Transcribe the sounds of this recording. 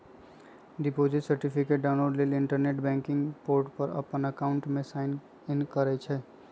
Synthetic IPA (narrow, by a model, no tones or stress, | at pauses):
ɖipod͡ʒiʈsəɾʈipʰikeʈ̚ɖaʊnloɖleliɳʈəɾneʈbɛ̃ŋkɪŋɡpoɾʈpəɾə̰pənəkaʊɳʈmesaɪn | nkəɾɛt͡ʃʰɛ